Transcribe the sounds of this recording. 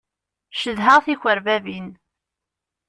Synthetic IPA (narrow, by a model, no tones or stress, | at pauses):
ʃəðɦəʁθiçʷəɾvævin